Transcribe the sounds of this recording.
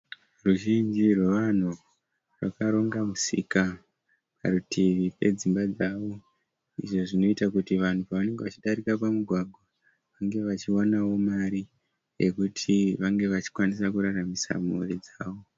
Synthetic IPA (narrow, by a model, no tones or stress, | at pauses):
ruʒind͡ʒirwe̞ʋan̤u | rwa̰kaɾo̞ŋɡamusḭka | pa̰rutʰiʋipe̞d͡zimbad͡zaːʋo̞ | ḭʐo̞ʐino̞itakutiʋan̤upaʋane̞ŋɡeʋat͡ʃiɗaɾikapamuɡʱwaɡʱwa | ʋaŋɡe̞ʋat͡ʃianawo̞maɾi | je̞kutʰiʋaŋɡe̞ʋat͡ʃi̥kwanisakuɾaramisa̰murid͡zaːʋo̞